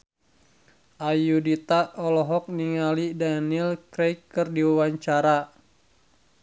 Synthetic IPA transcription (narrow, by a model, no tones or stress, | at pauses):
ʔajudit̪aʔɔlɔɦɔk̚niŋalidanilkɾɛjkːɨrdiwawaɲt͡ʃaɾa